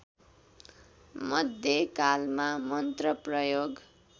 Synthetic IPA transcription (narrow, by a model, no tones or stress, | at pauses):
mʌd̪ʱjekalmamʌnt̪rʌprʌjoɡ